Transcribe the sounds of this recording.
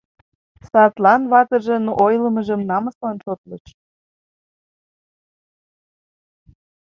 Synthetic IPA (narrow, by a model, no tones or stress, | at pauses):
sɑt̪lɑnβɑt̪əʒə̆nʔojləməʒə̆mnɑmə̆slɑnʃot̪ləʃ